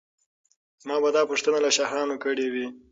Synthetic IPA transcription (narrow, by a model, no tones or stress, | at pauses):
zmɑbad̪ɑpuʂt̪ənalaʃaɦɑnokəɽewi